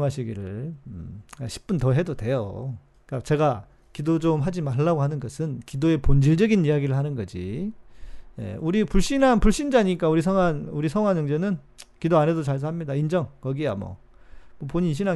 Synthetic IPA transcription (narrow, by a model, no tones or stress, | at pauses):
ɦaɕʰiɡiɾɯɭ | aɕʰi̥p͈untʌɦe̞dodwe̞jo̰ | k͈at͡ɕe̞ɡa | kidod͡ʑomɦad͡ʑimaɭːaɡoɦanɯnɡʌsʰɯnkidoe̞pond͡ʑiɭd͡ʑʌɡinijaɡiɾɯɭhanɯnɡʌd͡ʑḭ | jḛuɾipuɭɕ͈inanpuɭɕ͈ind͡ʑaɲik͈auɾis̬ʰʌŋanuɾisʰʌŋanɲʌŋd͡ʑenɯn | kidoane̞dot͡ɕaɭsʰaɦamɲidaind͡ʑʌŋkʌɡiamʌ̰ | mʌpoɲinɕʰina